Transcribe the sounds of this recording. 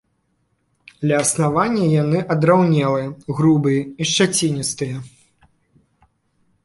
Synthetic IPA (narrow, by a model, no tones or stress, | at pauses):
d̪lʲɐːsnavanʲːɐjanɨʔɐd̪ɾawnʲɛlˠɨjɐɣɾubɨjɐiʂt͡ʂat͡sʲinʲist̪ɨjɐ